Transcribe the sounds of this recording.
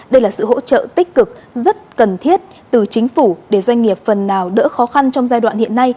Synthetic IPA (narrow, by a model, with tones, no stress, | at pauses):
ɗə˧jlaː˨˩sɨ̰˧˨ho̰˧˥t͡ɕə̰ː˧˨t̪ï˦˥k̟̚kɨ˨˩k̚zə˦˥t̚kə˨˩nt̪ʰi˦˥ət̚ | t̪ɨ˨˩t͡ɕï˨˦ŋ̟fu˧˩ɗe˧˩zwa˧ŋ̟ŋi˨˩əp̚fə˨˩nːaː˨˩wɗə̰ː˧˥xɔ˨˦xa˧nt͡ɕɔ˧wŋ͡mzaː˧jɗwa̰ː˧˨nhḭ˧˨ənːa˧j